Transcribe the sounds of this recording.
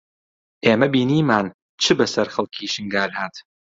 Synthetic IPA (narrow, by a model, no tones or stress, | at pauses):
ʔeːmɐbiːniːmaːn | t͡ʃʰɨbɐsɐɾxɐlˠkʰiːʃɨŋɡaːlhaːt̪